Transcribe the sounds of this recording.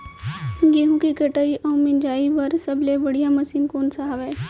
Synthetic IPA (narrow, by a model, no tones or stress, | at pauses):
ɡeɦũkikəʈəiʔɐ̃ũmɪnd͡ʒaːiʋəɾsəblebəɽijaməsiːnkoːnsaɦaʋɛː